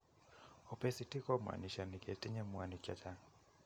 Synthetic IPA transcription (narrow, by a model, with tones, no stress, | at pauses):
ɔ˨pɛ˦si˨ti˦kɔ˦mwa̰˨ni˨ʃa˨ni˨kɛ˨ti˦ɲɛ˦mwa˨ni˨ka˨t͡ʃa˦